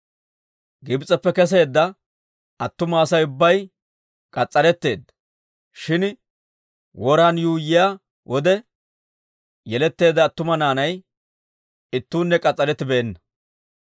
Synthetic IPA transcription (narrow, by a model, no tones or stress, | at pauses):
ɡɪbt͡sʼːɛpːɛkɛs̬e̞ːd̪ːɐ | ɐt̪ːʊmɐːsɐjʊbːɐj | kʼɐt͡sʼːɐɾɛt̪ːe̞ːd̪ːɐ | ʃɪn | wɔɾaːnjuːjːɪja | wʔɔd̪ɛ | jɛlɛt̪ːe̞ːd̪ːɐːt̪ːʊmɐnaːnɐj | ɪt̪ːuːnːɛkʼɐt͡sʼːɐɾɛt̪ːɪbeːnːɐ